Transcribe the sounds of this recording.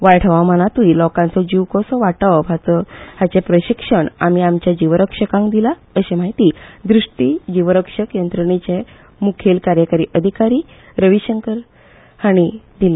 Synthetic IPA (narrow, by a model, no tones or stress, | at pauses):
ʋajʈʰʋamənat̪uilɔkãnt͡sɔd͡ʑiʋkɔsɔʋaʈəɦat͡sɔhat͡sepɾəɕikʂəɳa̰m̤iamt͡ɕjad͡ʑiʋɾəkʂəkãŋkd̪ila | əɕẽmaɦit̪iːd̪ɾuʂʈiːd͡ʑiʋəɾəkʂəkjənt̪ɾəɳit͡ɕe | mukʰelkaɾjəkaɾiːʔəd̪ʱikaɾiː | ɾəʋiɕəŋkəɾ | haɽ̃id̪il